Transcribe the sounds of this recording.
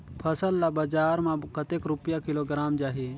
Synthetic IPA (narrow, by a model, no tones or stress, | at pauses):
pʰəsəlːabəd͡ʒaːɾmãkət̪eːkɾʊpjakɪloɡɾaːmd͡ʒaːɦeː